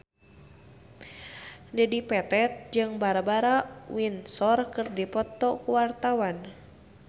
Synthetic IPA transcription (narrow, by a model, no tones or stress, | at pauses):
dɛdipɛt̪ɛt̪̚d͡ʒɨŋbaɾabaɾawinsɔrkɨrdipɔt̪ɔkuwart̪awan